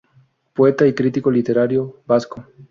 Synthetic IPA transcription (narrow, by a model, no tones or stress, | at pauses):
poet̪aikɾit̪ikolit̪eɾaɾjobasko